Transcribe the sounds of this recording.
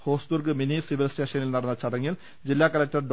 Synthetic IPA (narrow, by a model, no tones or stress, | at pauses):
hoːst̪urkɨminisiʋilsʈeːʂɐnilnɐɽɐnːɐt͡ɕɐɽɐŋːil | d͡ʑilːaːkɐlɐk̚ʈɐrɖ